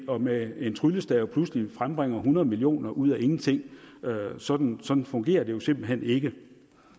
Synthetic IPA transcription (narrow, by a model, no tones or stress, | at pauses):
ɒ̽mee̝nt͡sʰʁyləsd̥ɛpʰluslifʁamb̥ʁeŋ̰ɐɦunɐð̞̩ˠmilio̝̰ːnɐʔuð̞̰ˠæʔe̝ŋn̩t͡sʰe̝ŋ̰øsɒ̽d̥n̩sɒ̽d̥n̩fɔ̽ŋɡ̥e̝̰ːɐd̥e̝jo̝se̝mb̥l̩ɦen̰e̝ɡ̥ə